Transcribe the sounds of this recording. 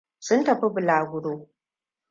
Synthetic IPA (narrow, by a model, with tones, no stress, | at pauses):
sʊ˦ntɐ˨ɸi˦bɪ˨laː˨ɡʷʊ˦ɽoː˦